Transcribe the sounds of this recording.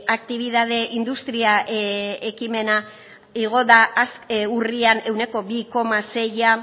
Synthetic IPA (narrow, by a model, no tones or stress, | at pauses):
akt̪iβ̞iðað̞e̞ʔind̪ust̪ɾia | ekime̞na | iɣ̞o̞ðaːsuriane̞wne̞ko̞biko̞mase̞ja